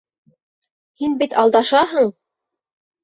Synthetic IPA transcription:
hinbit̪ɑlˠd̪ɑʃɑɦɤɴ

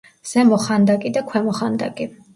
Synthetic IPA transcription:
z̥ɛmɔχand̪akʼid̪akʰwɛmɔχand̪a̰ɡʼi

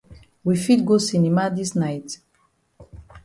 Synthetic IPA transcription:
wifit̚ɡosinimadisnajt

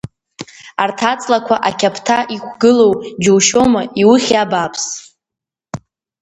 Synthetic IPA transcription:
artʰat͡sʼlakʷʰaʔakʲʰapʰtʰaʔikʷʰɡɨlo̞wd͡ʒowʃo̞mɨiwʊχʲabapʰs

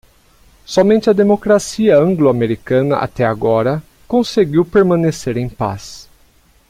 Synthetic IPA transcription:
sɔmẽnt͡ʃɪɐd̪emokɾasiɐɐ̃ŋɡloameɾikɐ̃nɐʔa̰t̪ɛaɡɔɾɐ | kõseɡiwpeɾmɐ̃neseɾẽj̃pa̰s

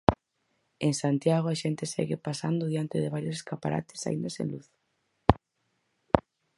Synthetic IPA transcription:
eŋsant̪jaɣ̞oaʃɛnt̪ɪesɛ̰ɣɪpasa̰nd̪ʊðjant̪ɪðɪβ̞aɾjoseskapaɾa̰t̪ɪ̥sa̰ĩnd̪asḛ̃nluθ

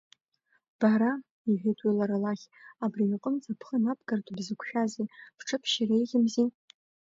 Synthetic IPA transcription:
b̥aɾa | iʒʷᶣetʼwelaɾalaχʲabriiqʼəmt͡sapʰχənap̚ʰʼɡartʰʷʼabzɨkʷʰʃᶣazepʰʈ͡ʂʰɨpʰʃirejʁʲɪmzi

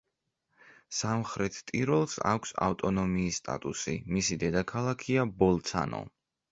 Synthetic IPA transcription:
samχɾɛt̪ʰt̪ʼiɾɔlˠsa̰kʷʰsa̰ft̪ʼɔnɔmiːsːt̪ʼa̰t̪ʼusḭmisid̪ɛd̪akʰalˠakʰiabɔlˠt̪sʰa̰nɔ̰

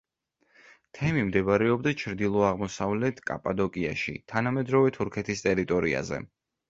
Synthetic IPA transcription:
t̪ʰɛmimd̪ɛβɾɛɔbd̪at͡ʃʰɾd̪ilˠɔaʁmɔsavlɛt̪ʰkʼa̰pʼad̪ɔkʼia̰ʃḭt̪ʰanamɛd̪ɾɔvɛt̪ʰuɾkʰɛt̪ʰist̪ʼɛɾit̪ʼɔɾia̰zɛ̰

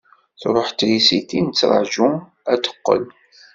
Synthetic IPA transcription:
θɾˤəħt̪ːlisit̪int͡sːɾˤə̰ʕʒu | æd̪ə̥qːə̰l

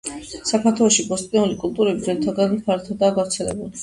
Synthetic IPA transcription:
sakʰaɾt̪ʰwɛlɔʃibɔst̪ʼnɛulikʼulˠt̪ʼuɾɛbizɛɾt̪ʰaɡanmpʰaɾt̪ʰɔd̪aːɡavɾt̪sʰɛlɛ̰bul

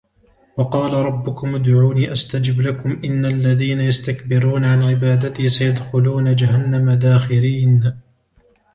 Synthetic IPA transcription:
wɑqɑːlaɾˤɑbːʊkʊmʊd̪ʕuːniːʔast̪ad͡ʒɪblakʊmʔɪnːalːaðiːnajast̪akbɪɾuːnaʕanʕɪbaːd̪at̪iːsajad̪xʊluːnad͡ʒahanːamad̪aːxɪliːn

